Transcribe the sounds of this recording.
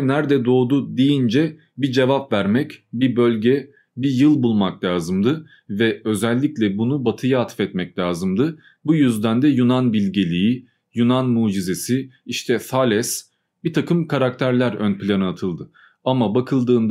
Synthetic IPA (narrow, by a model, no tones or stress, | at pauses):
næɾd̪ɛd̪o̞ːd̪ud̪ijind͡ʒɛ | bid͡ʒe̞vapvæɾmɛcbibø̞lʲɟɛ | bijɯlˠbulˠmaklʲaːzɯmd̪ɯ | vɛø̞zɛlʲːiclʲɛbunubat̪ʰɯjaat̪ʰfɛt̪mɛclʲaːzɯmd̪ɯ | bujyzd̪ænd̪ɛjunanbilʲɟelʲiji | junanmuːd͡ʒize̞siiʃt̪ʰɛsalʲɛs | bit̪ʰakʰɯmkʰaɾak̚t̪ʰæɾlʲæɾønpʰilʲanɯat̪ʰɯlˠd̪ɯ | amabakʰɯlˠd̪ɯːnd̪